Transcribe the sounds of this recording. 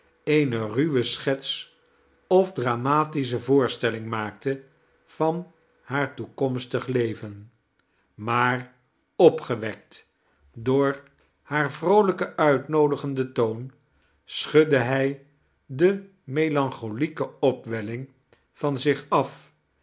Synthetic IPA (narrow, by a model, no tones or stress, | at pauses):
ejnəryʋəsχɛts | ɔvdraːmaːtis̬əvʊːɹstɛlɪŋmaːktə | v̥ɑn | haːɹtukɔmstəχlejvən | maːɹ | ɔpχəʋɛk̚t | dʊːɹ | haːɹvrowləkəʔœɥtnowdəχəndətown | sχɵdəɦɛj | də | mejlɑŋχolikəɔpʋɛlɪŋ | v̥ɑnzɪχɑf